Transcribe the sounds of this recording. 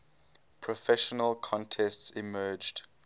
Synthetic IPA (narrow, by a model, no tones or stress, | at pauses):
pʰɹɔfɛʃənəlkʰɔ̃ntʰɛstsɪmɜːd͡ʒd̥